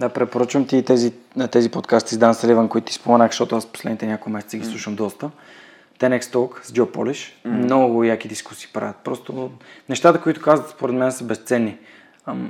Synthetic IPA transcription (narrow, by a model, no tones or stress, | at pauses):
d̪apɾɛpoɾət͡ʃvəmt̪iːt̪ɛzi | t̪ɛzipot̪kast̪izd̪anslivənkoit̪ʊt̪i̥spomɛnaxʃt̪ɔt̪ʊasposlɛd̪nit̪ɛnʲakomɛsɛt̪səɡislˠuʃəmd̪ɔst̪ə | t̪ɛnɛkst̪ɔkzɡʲɔpɔ̰liʃmnɔɡʊvojak̟id̪isku̥si̥ːpɾa̰vʲət̪̚pɾɔst̪onɛʃt̪at̪əkoit̪ʊ̥kazvət̪spoɾɛd̪mɛnɛsəbɛst̪sɛnːi